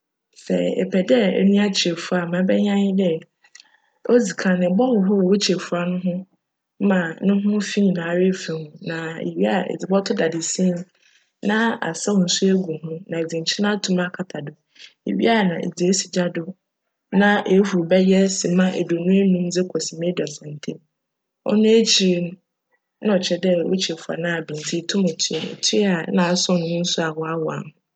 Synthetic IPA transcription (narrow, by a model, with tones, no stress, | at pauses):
sɛ̰˨ɛ̰˨pʰɛ˨dɛ˦ɛ̰˨nũ˦a˦t͡ɕʰi˨ɛ˨fu˦a˨mã˨˦bɛ˦ɲã˦ɲɪ˦dɛ˦ | o˦d͡zi˨kʰã˨nɪ̃˨bɔ˦wʊ̃˨ɦʊ˦˨wo˦t͡ɕʰe˨fu˦a˨nʊ̃˦ɦʊ̃˦ | mã˨nʊ̃˦ɦʊ̃˦fĩ˦ɲ˨nã˨ɾe˦fɛ̃˨hʊ̃˨nã˨ḛ˨ɥi˦a˦˨ḛ˨d͡zɪ˨bɔ˦tʰʊ˦da˨dɪ˨sĩ˦n | nã˦a̰˨sa˦ʊ˨n̩˨su˦e˦ɡu˨hʊ̃˦nã˨e˨d͡zɪ̃˨ɲ˨t͡ɕʰɪ˦nã˦tʰũ˦ma˦˨kʰa˨tʰa˨dʊ˨ | ḛ˨ɥḭ˦a˦˨nã˨ʔḛ˨d͡zi˨e˦si˨d͡ʑa˦dʊ˨ | nã˦ʔe˨˦hu˨bɛ˦jɛ˦sĩ˨mã˦ʔḛ˨do˨nũ˦e˦nũ˦md͡zɪ˦kʰɔ˨si˨mẽ˦dʊ˨ɛ˨sã˨n˨tʰẽ˦ | ɔ̰˦nʊ̃˦e˦t͡ɕʰi˨ɾi˦n˦ | nã˦ɔ˨t͡ɕʰɛ˨dɛ˦wʊ̰˦t͡ɕʰi˨ɾfʊ˨a̰˨nã˦a˨bĩ˨n˨tʰi˦˨tʰũ˦mɛ˨tʰɪ˦e˨nḛ˨tʰɪ˦a˨˦nã˨˦sɔ̃˦nʊ̃˦n̩˦sʊ˦a˨wɔ˨˦a˦wɔ˨a̰˨m˨